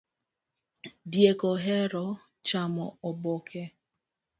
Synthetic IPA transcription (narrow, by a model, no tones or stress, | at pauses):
djekɔɦɛɾɔ | t͡ʃamɔɔbɔkʰɛ